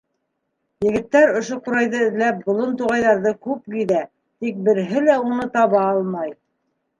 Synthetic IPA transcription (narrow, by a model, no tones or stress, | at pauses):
jɘ̆ɡɘ̆t̪ːæɾŏʃoquɾɑjðɤɘ̆ðlæp̚bŏlˠont̪uʁɑjðɑɾðɤkʉpɡiðæ | t̪ik̚bɘ̆ɾɦɘlæunɤt̪ɑβɑɑlˠmɑj